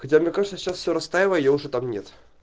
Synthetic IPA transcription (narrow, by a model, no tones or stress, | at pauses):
xɐt͡sʲamnʲɛkaʐɨt̪səɕasfʲsʲoɾɐst̪ajɪvəjəjaʊʐɛt̪amnʲet̪